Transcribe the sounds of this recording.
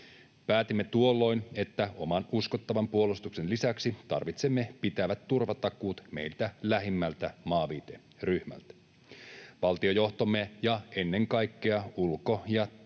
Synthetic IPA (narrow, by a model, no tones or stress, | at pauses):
pæːt̪imːe̞t̪uo̞lːo̞jnet̪ːæo̞mɑnuskot̪ːɑʋɑmpuo̞lust̪ukse̞nlisæksit̪ɑ̰rʋit̪se̞mːe̞pit̪æʋæt̪ːurʋɑt̪ɑkuːt̪me̞̰jlt̪ælæɦimːælt̪æmɑːʋiːt̪e | ryhmæ̰lt̪æ̥ | ʋɑlt̪io̞jo̞ht̪omːejɑe̞nːe̞ŋkɑjkːeɑulko̞jɑ